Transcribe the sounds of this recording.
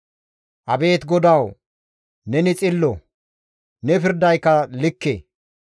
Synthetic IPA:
ʔɐbe̞ːt̪ɡɔd̪ɐw | nɛnɪt͡sʼɪlːɔ | nɛpɪɾd̪ɐjkːɐlɪkːḛː

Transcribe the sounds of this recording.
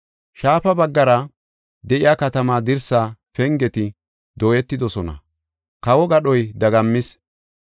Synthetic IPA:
ʃaːfɐbɐɡːɐɾɐ | d̪ɛʔɪjaːkɐt̪ɐmaːd̪ɪɾsaːpɛŋɡɛt̪ɪ | d̪oːjɛt̪ːɪd̪ɔsɔnɐ̰ | kɐwɔɡɐɗɔjd̪ɐɡɐmːɪs

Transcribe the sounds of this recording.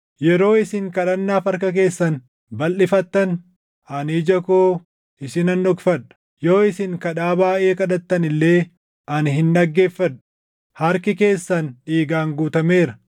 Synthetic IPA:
jɛɾo̞ːɪsɪŋkɐᶑɐnːaːfɐɾk̬ɐk̬e̞ːsːɐn | bɐlːɪfɐt̪ːɐn | ɐnid͡ʒɐkoː | ʔɪsɪnɐnːɔkfɐᶑɐ̥ | jo̞ːɪsɪŋkɐᶑaːbaːʔʔe̞ːkɐᶑɐt̪ːɐnɪlːe̞ː | ʔɐnɦɪnᶑɐɡːe̞ːfːɐᶑɐ̥ | hɐɾkɪke̞ːsːɐnᶑiːɡaːŋɡuːt̪ɐme̞ːɾɐ

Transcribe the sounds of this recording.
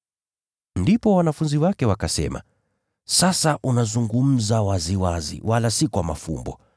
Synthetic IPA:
ndipɔwanafunziwakɛwakasɛ̰ma̰ | sasaʔunazuŋɡum̩zawaziwazḭwʔalasikwama̰fṵmbɔ̰

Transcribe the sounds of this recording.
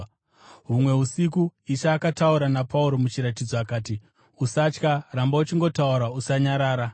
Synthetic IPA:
ɦumwe̞ɦusikuiʃaːkatauɾanapʰauɾo̞mut͡ʃiɾat̬id͡zoakaːti | usat͡ʃkarambaut͡ʃiŋɡo̞tauɾausaɲaɾaːɾa

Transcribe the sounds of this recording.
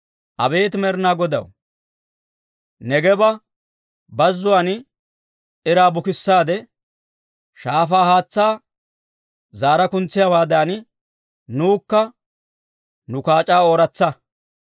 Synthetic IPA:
ʔɐ̰be̞ːt̪mɛɾnaːɡɔd̪ɐ̰w | nɛɡɛbɐ | bɐzːʊwaːn | ɪɾaːbʊkɪsːaːd̪ɛ | ʃaːfaːhaːt͡sːaː | zaːɾɐkʊnt͡sːɪjawaːd̪aːnɪ | nuːkːɐ | nʊkaːt͡ʃʼaːoːɾɐt͡sːɐ

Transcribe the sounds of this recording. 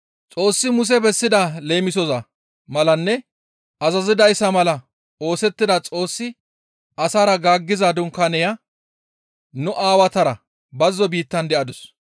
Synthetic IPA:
t͡sʼo̞ːsːɪmʊs̬ɛbɛsːɪd̪ɐle̞ːmɪsɔzɐ | mɐlɐnːɛ | ɐzɐzɪd̪ɐjsːɐmɐlɐ | o̞ːsɛt̪ːɪd̪ɐt͡sʼo̞ːsːɪ | ʔɐsaːɾɐɡaːɡːɪzaːd̪ʊŋkɐnɛjɐ | nʊʔaːwɐt̪ɐɾɐ | bɐzːɔbiːt̪ːɐnd̪ɛʔɐd̪ʊs

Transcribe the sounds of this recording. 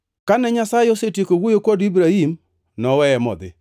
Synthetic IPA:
kanɛɲasajɛosetikoɡujokʷodibɾaim | nɔwɛɛmɔ̰d̪ɪ̰

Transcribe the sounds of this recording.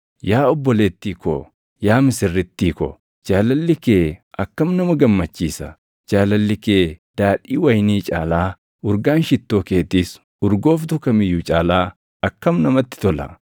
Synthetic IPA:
jaːɔbːɔleːt̪ːiːkɔ̰ | jaːmɪsɪrːɪt̪ːiːkɔ̰ | d͡ʒaːlɐlːɪkeːʔɐkːɐmnɐmɐɡɐmːɐt͡ʃːiːsɐ̰ | d͡ʒaːlɐlːɪkeːd̪̥aːᶑiːwɐjniːt͡ʃʼaːlaː | ʊɾɡaːnʃɪt̪ːo̞ːkeːt̪iːs | ʊɾɡo̞ːfd̪ʊkɐmɪjːʊt͡ʃʼaːlaː | ɐkːɐmnɐmɐt̪ːɪ̥t̪ɔlɐ̰

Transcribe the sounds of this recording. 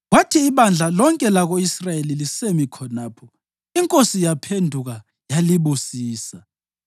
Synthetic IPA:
watʰiːβand͡ɮʱalɔŋkʼɛlaɣoisrajelilisemikʰɔnaːpʰɔ | iŋkʼosijapʰendʱuɣa | jaliβusiːsa

